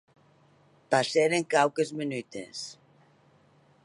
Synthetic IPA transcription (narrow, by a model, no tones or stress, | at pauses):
paseɾeŋkawkezmenyt̪ḛs